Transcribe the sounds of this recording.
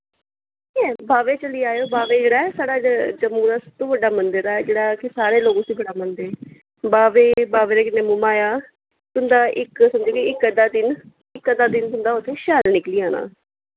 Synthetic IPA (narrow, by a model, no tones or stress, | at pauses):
kɛ̃ːbaːʋeːt͡ʃəliːaːjoːbaːʋeːd͡ʒeːɽaːɛsaːɽaːd͡ʒəmːũːd̪aːsəb̚t̪õːʋəɖaːmənd̪əɾaːɛd͡ʒeːɽaːkɪsaːɾeːloːɡõːsiːbəɽaːmənd̪əɾ | baːʋeːbaːʋeːɾeːkɪneːmʊmaːjaː | t̪ʊnd̪aːʔɪksəmd͡ʒeːkeɪkːəd̪aːd̪ɪn | ɪkːəd̪aːd̪ɪnt̪ʊnd̪aːʊt̪ʰːeːʃaːlnɪkliːaːnã̰ː